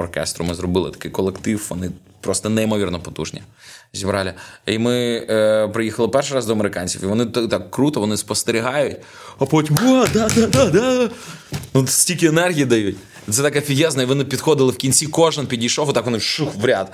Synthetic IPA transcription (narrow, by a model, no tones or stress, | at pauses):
ɔrkɛ̰st̪ɾʊmɪzrɔbɪlˠɪ̰t̪ɐ̥kɪjkɔlˠekt̪ɪwʋɔ̰nɪ | pɾɔst̪ɐnɛimɔʋʲirnɔpɔt̪ṵʒnʲḭzʲibɾɑlʲɪimɪ | pɾɪjixɐlˠɪpɛrʃɪɾɑzd̪ɔɐmeɾɪkɑnʲt͡sʲifiʋɔnɪt̪t̪ɑkːɾut̪ɔʋɔnɪspɔst̪eɾʲiɦɑjʊtʲ | ɐpɔtʲwɔd̪ɑd̪ad̪ad̪ɑd̪ | nusʲtʲilʲkɪenɛrɦʲijid̪ɐjut̚ʲ | t̪sɛt̪ɐkɛfʲiɦjɛznɐiʋɔnɪpʲid̪xɔd̪ɪlˠɪwkʲinʲt͡sʲikɔʒɪnpʲidʲijʃɔfɔt̪ɑkʋɔnɪʃuxʋɾʲat̪